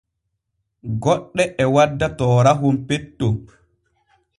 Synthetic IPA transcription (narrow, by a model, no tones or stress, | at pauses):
ɡɔɗːɛʔɛwadːatɔːɾaɦumpetːo